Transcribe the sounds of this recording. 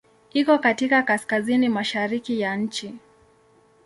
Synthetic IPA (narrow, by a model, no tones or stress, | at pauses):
ikɔkatikakaskazinimaʃaɾikijaɲ̩t͡ʃi